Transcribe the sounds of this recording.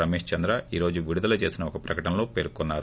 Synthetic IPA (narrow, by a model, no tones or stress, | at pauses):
ɐmeːʂt͡ʃɐnd̪ɾaiːɾo̞ːd͡ʒuʋiɽud̪ɐlɐt͡ʃe̞ːsinɐɔkɐpɾɐkɐʈɐnɐlo̞ːpeːɾkɔnːaːɾu